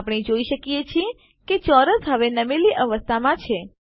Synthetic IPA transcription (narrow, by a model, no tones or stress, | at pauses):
pɽ̃id͡ʒoiʃəkijet͡ʃʰie | ket͡ʃɔɾəsɦəʋenəmeliʔəʋəst̪ʰamãt͡ʃʰe